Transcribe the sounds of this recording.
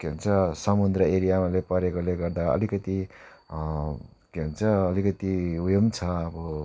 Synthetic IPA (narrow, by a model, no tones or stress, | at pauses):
keɦont͡sʰʌsʌmund̪rʌeɾijamalepʌɾekoleɡʌrd̪aʌ̰likʌt̪i | keɦont͡sʰʌːlikʌt̪iujomt͡sʰʌʌbʌ